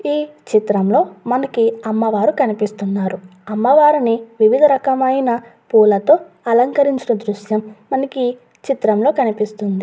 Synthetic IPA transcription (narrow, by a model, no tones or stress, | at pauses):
iːt͡ʃit̪ɾɐmlo̞ːmɐnɐkiɐmːɐʋaːɾukɐnipist̪unːaːɾuɐmːɐʋaːɾiniʋiʋid̪ʱɐɾɐkɐmɐjnɐ | puːlɐt̪o̞ː | ɐlɐŋkɐɾiɲt͡ʃinɐd̪ɾuʃjɐmːɐnɐki | t͡ʃit̪ɾɐmlo̞ːkɐnipist̪und̪i